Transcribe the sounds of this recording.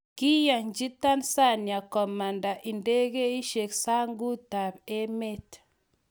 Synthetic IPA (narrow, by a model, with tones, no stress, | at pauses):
ki˦ja˨ɲd͡ʒi˦ta˦nsa˦˨nja˨kɔ˨ma˨nda˨ʔi˨nde˦ɣe˦i˦ʃe˨ksa˦ŋɡu˦ta˨pe˦me˦t